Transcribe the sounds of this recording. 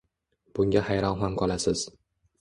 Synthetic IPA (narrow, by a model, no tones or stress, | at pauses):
b̥ʊŋɡʲahajɾɒnɦamqʰɒlˠasɪz̥